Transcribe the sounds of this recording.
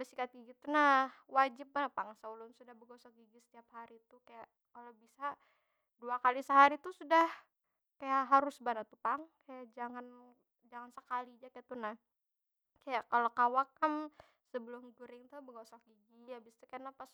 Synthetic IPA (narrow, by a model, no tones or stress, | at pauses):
bəsikat̪̚ɡiɡit̪unahwad͡ʒɪp̚manpaŋsaulʊnsudahbəɡasak̚ɡiɡisə̥t̪iaphaɾit̪ukaja | kalobisa | duakalisəɦaɾit̪usudah | kajaʔɦaɾʊsbanat̪upaŋkajaʔd͡ʒaŋan | d͡ʒaŋansəkalid͡ʒakajat̪unah | kajakalokawak̚ːam | səbəlʊmɡuɾɪŋt̪ubəɡasak̚ɡiɡiabist̪ukajanapas